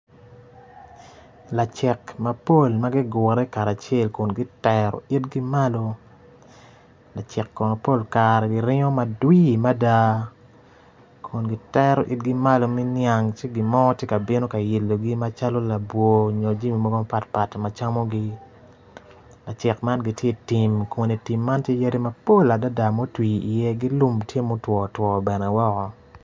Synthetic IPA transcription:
la˨t͡ʃɛ˨kma˨po˦˨lma˦ɡi˦ɡɔ˨ɾɛ˦ka˨ɾa˨t͡ʃe˦˨lku˨nɡi˦tɛɾɔ̰˨i˦tɡi˦ma˦lo˦ | la˨t͡ʃɛ˨kːɔ˨no˨po˦˨lka˨ɾɛ˨ɡi˨ɾɪ˦ŋo˦ma˨dwi˦ma˦da˦ | kʰu˨nɡi˦tɛ˦ɾo˨ʔi˦t̚ɡi˦ma˦lo˨mɛ˦nja˨ŋt͡ʃi˦ɡi˨mɔ˦tje˦ka˨bɪ˦no˦ka˨je˨lːo˨ɡi˦ma˦t͡ʃa˦lo˦la˨bwo˨ɲo˨d͡ʒi˦mi˨mɔ˦ɡo˦ma˦pa˦tpa˨tma˨t͡ʃa˦mo˦ɡi˦ | la˨t͡ʃɪ˨kma˦nɡi˨tje˦ti˨mko˨ni˨ti˨mːa˦ntje˦ja˦ɾi˦ma˨po˦la˨da˦da˨mo˦twiː˨ḭ˨jɛ˦ɡi˦lu˦mtje˦mo˦twɔ˨twɔ˨bɛ˨nɛ˨wɔ˦kɔ˨

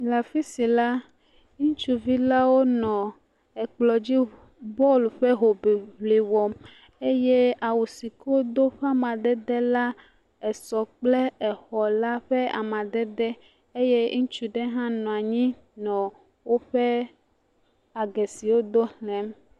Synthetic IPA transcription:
la˨fi˦si˨la˦ | ŋũ˦t͡ʃu˦vi˦la˦wo˦nɔ̃˨ | ɛ˨k͡plɔ˨d͡ʑi˦ | bɔ˦lu˨ɸɛ˦ɦo˨be˨ɦli˨wɔ˨m | e˦je˦a˨wu˨si˨ko˦d̪o˦ɸɛ˦a˦mã˨d̪ɛ˦d̪ɛ˦la˦ | ɛ˨sɔ˨k͡ple˦ɛ˨xɔ˨la˦ɸɛ˦a̰˨mã˨d̪ɛ˦d̪ɛ˦ | e˦je˦ŋũ˦t͡ʃu˨ɖe˦ɦã˦nɔ̃˨a˨ɲĩ˦ | nɔ̃˨ | wo˦ɸɛ˦ | a˨ɡɛ˨si˨wo˦d̪o˦hlɛ̃˨m

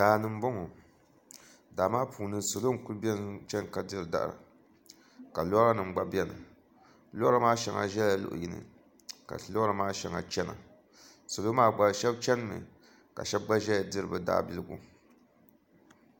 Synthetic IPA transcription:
daː˨nɨ˨m̩˦bɔ˦ŋɔ˨ | da˨maː˦pʰuː˨nɨ˦so˨lo˦ku˦lbʲɛ˦t͡ʃɛ˦nka˨dɨ˦ɾɨ˨da̰˦ʔɾa̰˨ | ka˨lo˦ɾa˦nɨ˨m˨ɡ͡ba˦bɛ˦nɨ̰˨ | lo˦ɾa˦maː˦ʃɛ˨˦ŋa̰˨ʒɛ˦la˦lʊ̰˨ʔʊ̰˨ji˦nɨ̰˨ | ka̰˨lo˦ɾa˦maː˦ʃɛ˨ŋa̰˨t͡ʃɛ˦na̰˨ | so˨lo˦maː˦ɡ͡ba˨ʃɛ˦b̚t͡ʃɛ˦n˦mɨ̰˨ | ka̰˨ʃɛ˦b̚ɡ͡ba˦ʒɛ˦˨dɨ˦ɾɨ˨bɨ˨da̰ː˦bi˦lɨ˦ɡṵ˦

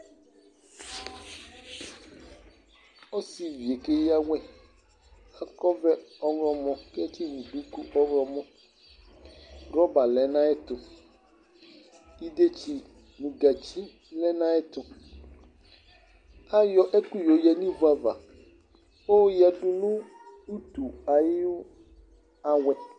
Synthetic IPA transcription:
ɔ˦si˨vi˨e˨ke˦ja˦wɛ˦˨ | a˦kɔ˦vɛ˦ɔ˦ŋɾɔ˨mɔ̃˨kɛ˦t͡ʃi˦nũ˨du˦ku˦ʔɔ˦ŋɾɔ˨mɔ̃˦ | ɡɔ˦ba˨lɛ˨nã˦ɛ˦t̪ʊ˨ | i˦de˦t͡ʃi˦ | nũ˨ɡa˨t͡ʃi˦ | lɛ˦nã˦ɛ˦t̪ʊ˨ | a˦jɔ˦ʔe˦ku˦jo˨jɛ˨nĩ˦vu˨˦a˨va̰˨ | o˦ja˨du˦nũ˦ | u˦t̪u˨a˨ji˦o˦ | a˨wɛ˨

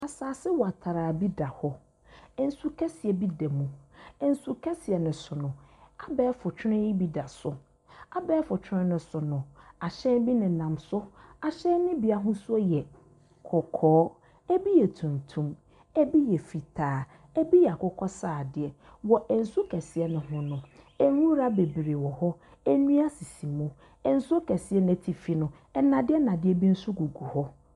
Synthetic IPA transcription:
a˨saː˨sɪ˦wɔ˨a˨tʰa˨ɾa˨bi˦da˨hɔ˦ | ɛ˨n̩˦su˦kʰɛ˦sɛ˨bi˦dɛ˨mũ˨ɛ˨n̩˦su˦kʰɛ˦si˨ɛ˨nɪ̃˨sʊ˨nʊ̃˨a˨bɛː˦fʊ˨t͡ɕʰᶣɪ˦nɪ̃˦ji˦bi˦da˨sʊ˦ | a˦bɛː˦fʊ˨t͡ɕʰᶣɪ˦nɪ̃˦nʊ̃˦sʊ˨nʊ̃˨a˨ɕɛ̃˦nbi˦nɪ̃˨nã˨msʊ˦a˨ɕɛ̃˦nɪ̃˦bi˦a˨ɦʊ̃˦su˦ɔ˦jɛ˨ | kʰɔ˨kʰɔː˦ | ɛ˦bi˦jɛ˨tʰũ˨n˨tʰũ˦m | ɛ˦bi˦jɛ˨fi˨tʰaː˨˦˨ | ɛ˦bi˦jɛ˨a˨kɔ˨kʰɔ˦saː˨dɪ˨ɛ˨ | wɔ˨ʔɛ˨n̩˨sʊ˦kʰɛ˨sɪ˨ɛ˦nʊ̃˦ɦʊ̃˦nʊ̃˨ | ɛ˦wũ˦ɾa˦be˨bɾe˨wɔ˨hɔ˦ | ɛ˦nũ˦a˦si˨si˨mũ˦ | ɛ˨n̩˦sʊ˦kʰɛ˨si˨ɛ˦nɪ̃˨tʰi˨fi˨nʊ̃˨ | ɛ˦nã˨dɪ˦ɛ˦nã˨dɪ˦ɛ˨bi˦n̩˦sʊ˦ɡu˨ɡu˨hɔ˦

